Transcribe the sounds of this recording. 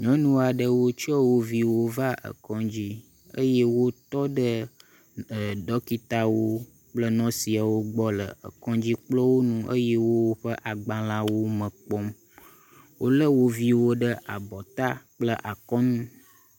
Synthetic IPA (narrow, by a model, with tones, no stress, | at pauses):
ɲɔ̃˦nũ˦a˨ɖə˨wo˦t͡ʃɔ˦wo˦vi˦wo˦va˦ʔə̰˨kɔ̃˨˦d͡ʑi˦ | ə̰˦je˦wo˦t̪ɔ˦ɖə˦ | ə˨ɖɔ˦ki˦t̪a˦wo˦ | k͡plə˦nɔ̃˦si˨a˨wo˦ɡ͡bɔ˦lə˨ə̰˨kɔ̃˦d͡ʑi˦k͡plɔ˦wo˦nũ˦ʔə̰˦je˦wo˦wo˦ɸə˦ʔa˨ɡ͡bã˨la˦wo˦mə̃˨k͡pɔ˦m | wo˦lə˦wo˦vi˦wo˦ɖə˦ʔa̰˨bɔ˨t̪a˦k͡plə˦ʔa˨kɔ˦nũ˦